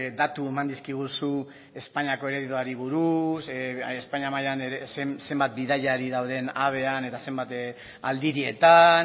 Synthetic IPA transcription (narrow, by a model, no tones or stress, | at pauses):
d̪at̪ue̞mand̪iskiɣ̞usu | e̞spaɲako̞e̞ɾeðit̪uaɾiβuɾusespaɲamajaneɾesemse̞mbat̪̚biðajaɾiðawðe̞naβ̞e̞ane̞t̪ase̞mbat̪ | a̰ld̪iɾie̞t̪an